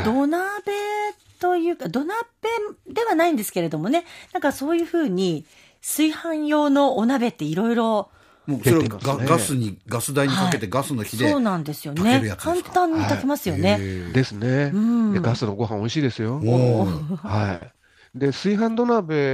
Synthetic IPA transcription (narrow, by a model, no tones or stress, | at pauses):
d̪o̞nabe̞ | t̪o̞jɯ̟ːkad̪o̞nab̥e̞d̪e̞βanaĩnd̪e̞sɨ̥ke̞ɾe̞d̪o̞mo̞ne̞nãŋkaso̞ːjɯ̟ːɸɯ̟ːɲ̟i | sɨihãɰ̃jo̞ːno̞ːnabe̞t̪ːe̞iɾo̞iɾo̞ | moːsoɾeɡaɡasɨɲ̟iɡasɨd̪aiɲ̟ikae̞t̪e̞ɡasɨno̞çid̪eoːnãnd̪e̞sɨjo̞neɾɯjakãnãɲ̟ːit̪akemasɨjo̞ne̞d̪e̞sɨne̞ɯ̟̃ɴd̪eɡasɨno̞ɡo̞ɦãoiɕiːd̪e̞sɨjo̞ | hai | d̪e̞sɨiɦãnd̪o̞nabe̞